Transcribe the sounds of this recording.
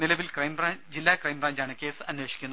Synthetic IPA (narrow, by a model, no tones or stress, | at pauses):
nilɐʋilkrɐjmraːd͡ʑilːaːkrɐjmbraːɲd͡ʑaːɳɨkʲe̞ːsɨɐnwe̞ːʂɕi̥kʲːunː